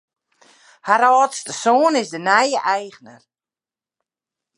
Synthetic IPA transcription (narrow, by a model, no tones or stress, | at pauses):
haɾɔːtstəsoːnɪsdənɛjəʔɛjɣnər